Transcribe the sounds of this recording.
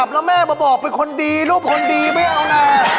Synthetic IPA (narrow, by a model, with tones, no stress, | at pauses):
a˨˩p̚lɛ˦˥mɛː˥˩bɔː˧bɔː˨˩k̚pe˧nkʰo˧ndiː˧luː˥˩p̚kʰo˧ndiː˧ma˥˩jʔa˧wnaː˥˩